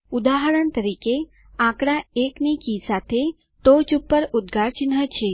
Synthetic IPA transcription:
ud̪aɦəɾəɳt̪əɾike | ãkɽaeknikisat̪ʰe | t̪ot͡ʃupːəɾud̪ɡʱaɾt͡ʃɪnɦət͡ʃʰe

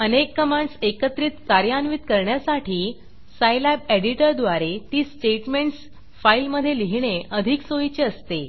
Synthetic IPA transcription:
ənekːəmaɳɖsekət̪ɾiːt̪kaɾjanʋit̪kəɾɳjasaʈʰiː | sajlɛbeɽiʈəɾd̪ʋaɾet̪iːsʈeʈmeɳʈs | failməd̪ʱːjeliɦɳ̃eəd̪ʱiksoit͡ɕeəst̪e

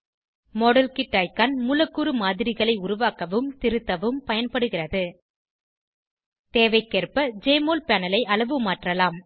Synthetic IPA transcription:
mɔːɽɐlkɪʈːaːɪjkɐnmʊlɐkːuɾɯmaːðɪɾɪɣɐɭɐɪʊɾʊʋaːkɐʋɯmt̪ɪɾɯt̪ːɐʋɯmpɐjɐnpɐɽɯɣɪrɐðɯ | t̪eːʋɐɪkːerpɐd͡ʒeːmoːlpɛːnɐlɐɪʔɐɭɐʋɯmaːʈrɐlaːm

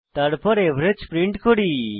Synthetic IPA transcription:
t̪aɾpɔɾebʱɾed͡ʒpɾiɳʈkoɽi

